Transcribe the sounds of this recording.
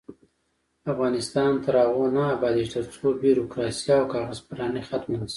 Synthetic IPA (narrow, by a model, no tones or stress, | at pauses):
afɣɑnɪst̪ɑnt̪aɾɑɣonaːbɑd̪it̪əɾt͡sobiɾokɾɑsijaːwkɑɣazpaɾɑnəxat̪malsi̥